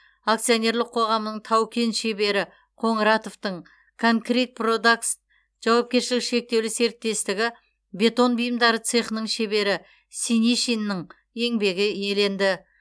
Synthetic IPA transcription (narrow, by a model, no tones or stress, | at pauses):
akt̪sɨio̞nʲe̞ɾlˠəqʰːo̞ʁɑmənəɴt̪ʰɑwkʲe̞nʃe̞be̞ɾɪ | qʰo̞ɴɾɑt̪o̞ft̪əɴ | kʰoŋkrijt̪̚pʰrod̪aks | ʒ̥ɑwɑp̚kʲe̞ɾʃɪlɪkʃe̞k̚t̪e̞wlɪse̞ɾɪt̪ːe̞st̪ɪɡʲɪ | be̞t̪o̞nbijəmd̪ɑɾət̪sɨχnəɴʃe̞be̞ɾɪ | siniʃinːəɴ | e̞ŋbe̞ɡʲɪje̞le̞nd̪ɪ